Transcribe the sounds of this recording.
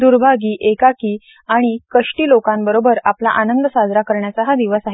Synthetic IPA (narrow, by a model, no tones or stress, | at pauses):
d̪uɾbʱaɡiːʔekakiː | aɽ̃ikəʂʈiːlokãmbəɾobəɾapla̰ʔanənd̪əsad͡zɾakəɾɳjat͡saɦad̪iʋəsaɦe